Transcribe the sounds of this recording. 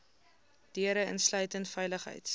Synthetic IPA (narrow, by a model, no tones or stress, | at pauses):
d̥iəɾəə̰nslœɥtəntfɛjləχɦə̰jt